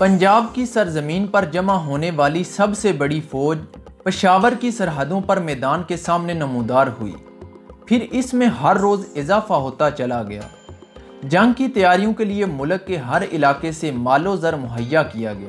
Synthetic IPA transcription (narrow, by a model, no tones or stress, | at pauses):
pɐ̃ɲd͡ʒaːb̚kisɐɾzɐmiːnpɐɾd͡ʒɐmaɦoːneʋaːlisɐbsebɐɽifʰɔːd͡ʒ | pɪʃaːʋəɾkisɐɾɦəd̪õpɐɾmɛːd̪aːnkesaːmnenɐmũːd̪aːɾɦʊ̰ḭː | pʰɪɾɪsmẽɦɐɾːoːzɪzaːfaɦoːt̪at͡ʃɐlaɡɐja̰ː | d͡ʒɐ̃ŋɡkit̪ɐjaːɾijõkeliemʊləkːeɦɐɾɪ̰laːkesemaːlozəɾmʊɦəjːakijaɡɐja̰ː